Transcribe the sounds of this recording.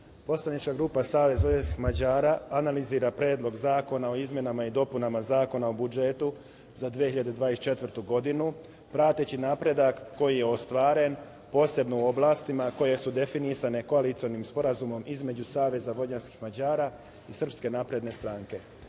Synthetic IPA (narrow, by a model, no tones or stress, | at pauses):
po̞slˠanit͡ʃkaɡɾuːpasaːʋe̞zojanskixmad͡ʑaːɾaːnaliziːɾapɾe̞ːd̪lˠo̞ɡzaːko̞nao̞izmʲje̞namaid̪o̞punamazaːko̞naobud͡ʒe̞t̪u | zad̪ʋie̞hiʎad̪e̞d̪ʋaːest͡ʃe̞t̪ʋr̩t̪uɡo̞d̪inu | pɾaːt̪et͡ɕinaːpɾe̞d̪akːo̞jije̞ost̪ʋaːɾe̞n | po̞ːse̞bnouo̞blˠaːst̪imako̞je̞sud̪e̞finisane̞ko̞alit̪sio̞nimspo̞ɾazumo̞mizme̞d͡ʑusaːʋe̞zaʋo̞ʎanski̥xmad͡ʑaːɾa | isr̩pske̞naːpɾe̞d̪ne̞st̪ɾaːŋke̞